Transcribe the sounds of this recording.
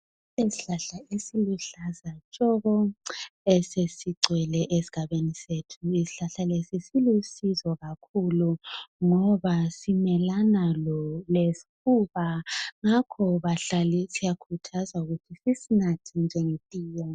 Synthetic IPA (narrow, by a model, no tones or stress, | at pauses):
esiɬaɬaesiluɬazat͡ʃʼɔɣɔ | esesiǀʱwɛlɛʔesi̥ɣ̥ʱaβenisetʰuisi̥ɬaɬalesisilusizɔɣakʰuluŋɔβasimɛlanalɔlesi̥kʰuβaŋakʰɔβaɬalisijakʰutʰazauɣutʰisisinatʰind͡ʒʱɛŋetʼiːja